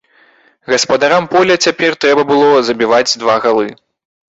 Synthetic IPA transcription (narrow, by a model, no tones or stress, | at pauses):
ɣɐspɐd̪aɾampɔlʲɐt͡sʲapʲɛrt̪ɾɛbɐbɨlˠɔzɐbʲivad͡zʲd̪vaɣalˠɨ